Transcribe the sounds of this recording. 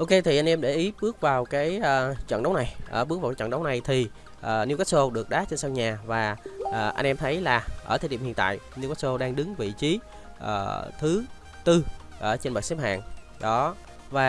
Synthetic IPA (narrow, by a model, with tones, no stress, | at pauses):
ʔo˧ke˧t̪ʰi˨˩ʔa˧jŋ̟ʔɛ˧mɗe˧˩ʔi˨˦ɓɨ˦˥ək̚vaː˨˩wkaː˨˦jəː˨˩t͡ɕə̰˧˨nɗə˨˦wna˨˩jʔəː˧˩ɓɨ˦˥k̚vaː˨˩kːə̰˧˨nɗə˨˦wna˨˩jt̪ʰi˨˩ | ʔəː˨˩ni˧wkɛ˦˥so˧ɗɨ˨˩ək̚ɗaː˨˦t͡ɕe˧nsa˧ŋɲaː˨˩vaː˨˩ʔəː˨˩ʔa̰˧jŋ̟ʔɛ˧mt̪ʰə˨˦jlaː˨˩ʔəː˧˩t̪ʰːɗḭ˧˨mhi˧˨ənt̪a̰ː˧˨jni˧wɛ˦˥so˧ɗaː˧ŋɗɨ˨˦ŋvḭ˧˨t͡ɕi˨˦ | ʔə̰ː˨˩t̪ʰɨ˨˦ | t̪ɨ˧ʔəː˧˩t͡ɕe˧nɓa˨˩sɛ˦˥p̚ha̰ː˧˨n | ɗɔ˨˦ | vaː˨˩